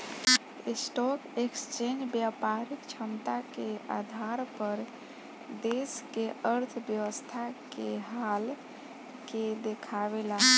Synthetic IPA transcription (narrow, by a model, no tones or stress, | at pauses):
esʈɔkekst͡ʃend͡ʒbjapaɾikt͡ʃʰəmt̪akead̪ʱaɾpəɾ | d̪eskeʔəɾt̪ʰbjəwəst̪ʰakeɦal | ked̪ekʰaβela